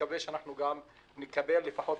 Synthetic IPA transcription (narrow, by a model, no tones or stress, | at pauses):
aveʃeanaħnuɡam | nekabelːefaħo̞t̪